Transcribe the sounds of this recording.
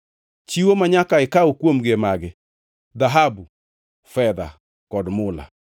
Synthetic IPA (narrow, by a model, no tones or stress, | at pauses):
t͡ʃiwomaɲakaɪkaokwomɡemaɡɪ | d̪aɦabu | fɛd̪a̰ | kɔdmʊla̰